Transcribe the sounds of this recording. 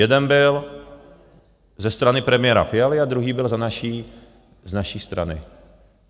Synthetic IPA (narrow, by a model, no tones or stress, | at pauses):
ɛd̪ɛnbɪl | zɛst̪ɾanɪpɾɛmɪjɛːɾa̰fɪalɪad̪ɾuɦiːbɪlzanaʃi | znaʃiːst̪ɾa̰nɪ̰